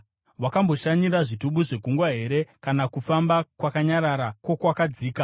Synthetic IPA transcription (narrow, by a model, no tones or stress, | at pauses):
wakambo̞ʃaɲiɾaʐituɓuʐe̞ɡʱuŋɡwaɦe̞ɾe̞kanakufambakwakaɲaɾaɾakwo̞kwakad͡ziːka